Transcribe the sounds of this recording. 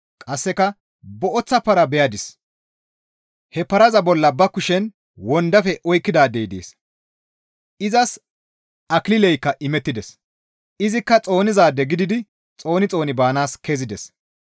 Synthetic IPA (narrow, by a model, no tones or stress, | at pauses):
kʼɐsːɛkɐ | bɔʔɔt͡sːɐpɐɾɐbɛjɐd̪ɪs | hɛpɐɾɐzɐbɔlːɐbɐkːʊʃɛn | wɔnd̪ɐfɛʔɔjkːɪd̪aːd̪ejd̪ḛːs | ɪzɐs | ʔɐklɪlɛjkːɐʔɪmɛt̪ːɪd̪ɛs | ɪzɪkːɐt͡sʼo̞ːnɪzaːd̪ɛɡɪd̪ɪd̪ɪ | t͡sʼo̞ːnɪt͡sʼo̞ːnɪbaːnaːskezɪd̪ɛs